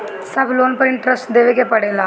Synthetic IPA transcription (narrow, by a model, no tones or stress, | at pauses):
sɐbʱloːnpɐɾɪɳʈɾɐsʈd̪eːʋekːepɐɽeːlaː